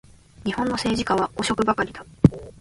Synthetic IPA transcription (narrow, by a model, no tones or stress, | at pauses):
ɲ̟ihõ̞nːo̞se̞ːʑikaβ̞aɡo̞ɕo̞kɯ̟bakaɾʲid̪̥a